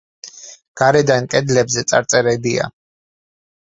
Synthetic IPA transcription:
ɡ̥aɾɛd̪ankʼɛd̪lɛbzɛt̪sʼa̰ɾt̪sʼɛɾɛbia̰

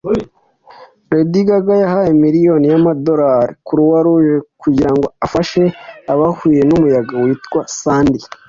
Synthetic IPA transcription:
ɾediɡaɡajahajemiɾijo̞nijamado̞ɾaɾikuɾuwaɾuʒekuɟiɾaŋɡo̞afaʃe̞aβahuje̞numujaɡawiːtkwasaːndi

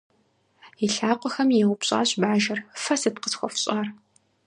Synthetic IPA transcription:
iɬaːqʷʼɔxɐmjɛwʊpɕʼa̰ːɕbaːʒɐrfɐsɨtqəsxʷɔfɕʼaːr

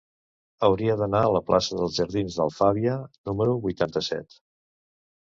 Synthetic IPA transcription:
əwɾiəðənaələplasəðəlˠzʒəɾðinzðə̰lˠfaβiənuməɾuβujt̪ant̪əsɛ̰t̪

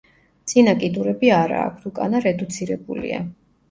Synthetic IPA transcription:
d̪z̥ʼinakʼid̪uɾɛbiaɾa̰ːkʰt̪ʰukʼanaɾɛd̪ut̪sʰiɾɛbṵlḭa̰

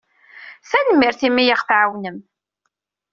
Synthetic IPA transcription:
θænmːɪɾθimːijaʁθʕawnəm

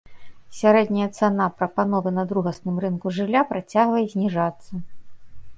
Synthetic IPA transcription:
sʲaɾɛd̪ʲnʲɐjɐt̪sɛnapɾɐpanɔvɨnɐd̪ɾuɣɐsnɨmrɨnkuʐɨlʲːapɾat͡sʲaɣvɐjɛzʲnʲiʐat̪sːɐ

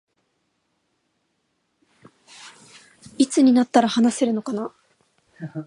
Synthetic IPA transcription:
it͡sɨɲ̟inat̪ːaɾahanase̞ɾɯ̟no̞kana

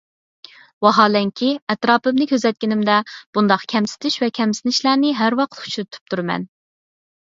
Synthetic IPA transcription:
wɑɦɑːlɛŋkʲʰiɛt̪ɾɑːpɨmnɪkʲʰøzɛt̪̚kʲinɪmd̪ɛb̥und̪ɑqkʲʰɛmsɪ̥t̪ʰɪʃvɛkʲʰɛmsɪnɪʃlæɾnɪɦæɾwɑqt̪ʰu̥t͡ʃʰuɾɨt̪ʰy̥p̚t̪ʰuɾmɛ̰n

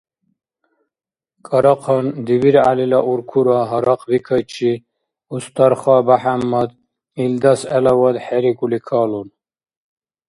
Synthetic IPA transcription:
kʼɐɾɑqʰɔnd̪iβiɾa̰lilaʔuɾkʰuɾaɦɐɾɑqʰʼbikʰət͡ʃʰi | ust̪ʰaɾχabaħamːad̪ | ild̪asɛlawad̪ħɛɾikʼulikʰalun

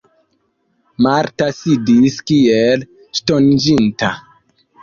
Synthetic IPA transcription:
maɾtasidiskiel | ʃtond͡ʒinta

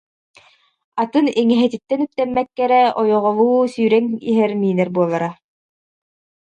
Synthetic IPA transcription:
at̪ɯniŋɛɦɛt̪it̪ːɛnyp̚t̪ɛmːɛkːɛɾɛɔjɔʁɔlˠuːsyːɾɛŋiɦɛɾmiːnɛɾbuɔlˠaɾa

